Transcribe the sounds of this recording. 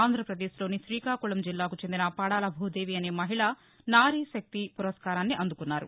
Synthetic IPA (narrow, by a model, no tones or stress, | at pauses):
aːnd̪ʱɾɐpɾɐd̪eːʃlo̞ːniʃɾiːkaːkuɭɐmd͡ʒilːaːkut͡ʃe̞nd̪inɐpɐɽaːlɐbʱuːd̪e̞ːʋiɐne̞ːmɐɦiɭɐ | naːɾiːʃɐk̚t̪ipuɾɐskaːɾaːnːiʔɐnd̪ukunːaːɾṵ